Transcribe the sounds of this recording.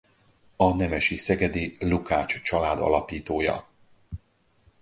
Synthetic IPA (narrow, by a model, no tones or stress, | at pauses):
ɒnɛmɛʃisɛɡɛd̪ilukaːt͡ʃt͡ʃɒlaːd̪ɒ̰lɒpiːt̪oːjɒ̰